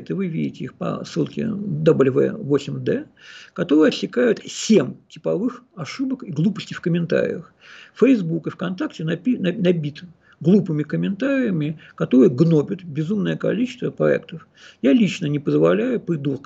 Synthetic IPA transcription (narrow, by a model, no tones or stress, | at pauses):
t̪ɨvɨvʲidʲɪtʲɪixpɐ̰sːɨlˠkʲɪ̰d̪obɨlʲvɛ̰vosʲɪmʲd̪ɛ | kɐt̪o̞ɾɨjəɐsʲːɪkajʊt̪sʲemtʲɪpɐvɨxɐʂɨbəkiɡlˠupə̥sʲtʲɪfkəmʲɪnt̪a̰ɾʲɪ̰jəx | fəjzbukɨfkɐnt̪aktʲɪnɐinɐnɐbʲit̪ | ɡlˠupɨmʲɪkəmʲɪnt̪aɾʲɪjəmʲɪkɐt̪o̞ɾɨjəɡno̞pʲʊt̪bʲɪzumnəjəkɐ̰lʲit͡ɕɪst̪vəpɾɐ̰ɛ̰kt̪əf | jalʲit͡ɕnənʲɪpəzvɐlʲæjʊpʲɪd̪urk